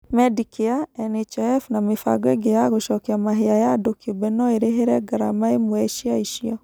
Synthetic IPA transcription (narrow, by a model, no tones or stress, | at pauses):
mɛdikeaɛnɛt͡ʃɛɛfnamefa̰ɡwɛɡejaɣoʃɔkeamaɦeajadokiobɛnɔeɾeɦeɾɛɡaɾamaemoɛʃiaiʃiɔ